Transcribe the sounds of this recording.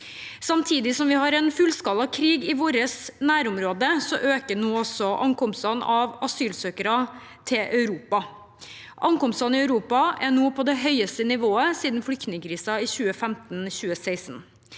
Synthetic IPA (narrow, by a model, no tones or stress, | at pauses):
sɑmt̪ʰiːd̪ɪsɔmʋɪhɑɾɛnfʉlskɑlɑkʰɾiːɡɪʋoːɾəsnæːɾʊmɾoːd̪əsɔʔøːkənoːɔsɔʔɑ̰ŋkɔmst̪ɑnɑʋɑsyːlsøːkəɾɑ | t̪ʰɪlʔœʉɾuːpɑ | ʔɑŋkɔmst̪ɑnɪœʉɾuːpɑæɳoːpʰɔd̪ɛɦœʏəst̪ənɪʋoːəsiːd̪nflʏkt̪nɪŋkʰɾiːsɑiːçʉːəfɛmt̪nçʉːəsæɪsn̩